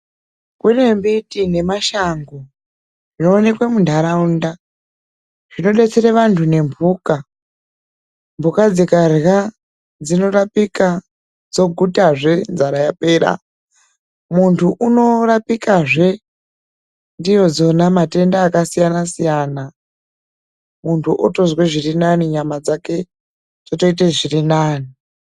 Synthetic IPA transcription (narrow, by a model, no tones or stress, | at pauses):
kune̞mbitine̞maʃaŋɡo | ʐino̞ːne̞kwemundʱaɾaunda | ʐ̥ino̞ɗe̞t͡seɾeʋantʰune̞mbuːka | mbʱukad͡zikarɣa | d͡zino̞ɾapika | d͡zo̞ɡʱutaʐe̞nzaɾajapeːɾa̰ | muntʰuʔuno̞rapikaʐe̞ | ndijo̞d͡zo̞namate̞ndaːkasijanasijana | muntʰuʔoto̞zweʐirinaniɲamad͡zake̞ | d͡zoto̞iteʐirinaːni